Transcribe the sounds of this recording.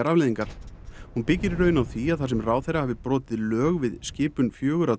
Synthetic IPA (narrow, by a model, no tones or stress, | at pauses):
aɾavlɛːðiŋkaɾ̥hunpɪcːɪɾɾœːɥnawθiaðθḁs̬ɛmraːwθejɾahavɪpɾɔːt̪ɪðlœːɣvɪðscɪːpʏnfjœːɣʏɾa